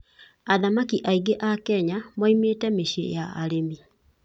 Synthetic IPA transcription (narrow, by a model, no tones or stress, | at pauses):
aðamakiʔaiɡeʔakɛɲamwaimeːtɛmeʃḛjaa̰ɾemi